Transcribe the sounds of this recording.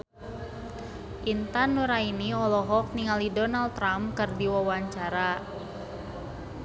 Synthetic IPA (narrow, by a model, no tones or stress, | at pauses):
ʔint̪anːuɾainiɔlɔɦɔk̚niŋalidɔnalt̪ːɾamkɨrdiwawaɲt͡ʃaɾa